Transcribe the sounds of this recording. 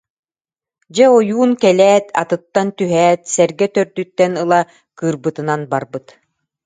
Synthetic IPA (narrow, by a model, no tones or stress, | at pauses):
d͡ʑɛɔjuːnkɛlɛːt̪a̰t̪ɯt̪ːant̪yɦɛːt̪sɛɾɡɛt̪œɾd̪yt̪ːɛnɯlˠa | kɯːɾbɯt̪ɯnanbaɾbɯt̪